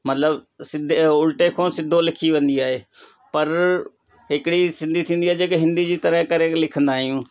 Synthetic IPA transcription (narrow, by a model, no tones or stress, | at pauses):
mət̪ləb | sɪd̪ʊlʈekʰõːsɪd̪ʱːolɪkʰiʋẽnd̪iaːɦeː | pəɾ | ɦɪkɪɽisɪ̃nd̪ʱit̪ʰĩːnd̪iaːekɪɦɪ̃nd̪id͡ʑiːt̪əɾəɦkəɾelɪkʰə̃nd̪aːɦɪjũː